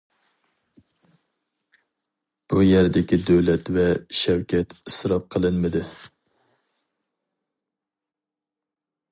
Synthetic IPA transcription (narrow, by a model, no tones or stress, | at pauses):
b̥ujæɾd̪ɪkʲid̪øwlɛt̪vɛʃɛwkʲʰɛt̪isɾɑp̚qʰəlˠɨnmɨd̪ɨ